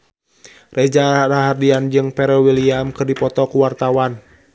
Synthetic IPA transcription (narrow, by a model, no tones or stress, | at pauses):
rɛd͡ʒaaɾaɦardiand͡ʒɨŋpɛɾɛwiliamkɨrdipɔt̪ɔkuwart̪awan